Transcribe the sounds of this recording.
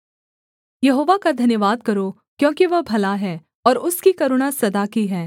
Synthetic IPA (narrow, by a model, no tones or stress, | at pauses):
jɐɦoːʋakad̪ʱɐnjəʋaːd̪̚kɐɾo | kjõːkiʋɐbʱɐlaɦɛː | ɔːɾʊskikɐɾʊɽ̃asɐd̪aːkiɦɛː